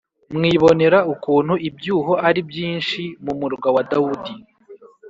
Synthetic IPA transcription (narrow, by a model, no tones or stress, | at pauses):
mŋiːβo̞ne̞ɾaukuːn̥huibjuːɦo̞aɾibjiːnʃimumuɾɡawadaudi